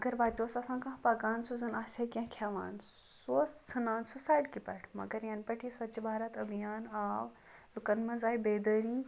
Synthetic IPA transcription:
ɐɡɐɾbaːt̪oːsɐsãːkãɦpɐɡaːnsuzɐnaːsʲekẽɦkʰjaʋa̰ːn | soːst͡sʰɨnaːnsusaːjɖkipɐʈʰmɐ̰ɡɐɾjɐnpɐʈʰisɐt͡ʃbʱaːɾɐt̪ɐbijaːnaːw | lukɐnmɐ̃nzaːibeːd̪ɐɾi

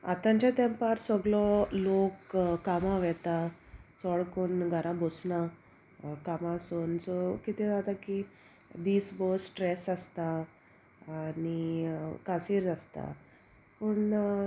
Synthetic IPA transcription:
a̰t̪ãɲt͡ɕat̪ɛmpaɾsɔɡlɔlokːamaʋɛt̪at͡sɔɭkuːnɡʱəɾãbosna | kamaːsuːnsɔkit̪id͡zat̪aki | d̪iːsbəsːʈɾɛsast̪aː | nikasiːɾd͡zast̪a̰ | puɳ

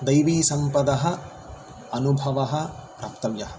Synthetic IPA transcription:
d̪ɐjʋiːsɐmpɐd̪ɐɦɐ̆ | ɐnubʱɐʋɐɦɐ̆ | ɾɐpt̪ɐʋjɐɦɐ̥

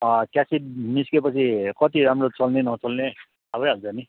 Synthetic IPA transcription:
kjasid̚niskepʌt͡sʰikʌt̪iɾamrot͡sʌlnenʌt͡sʌlne | abʌjɦʌlt͡sani

